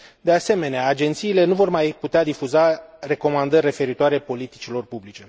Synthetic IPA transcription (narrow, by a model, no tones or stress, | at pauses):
d̪e̞ase̞me̞neaːd͡ʒe̞nt̪siːle̞nuvo̞rmajput̪ead̪ifuzare̞ko̞mand̪ərʲre̞fe̞ɾit̪oaɾe̞po̞lit̪it͡ʃilo̞rpublit͡ʃe̞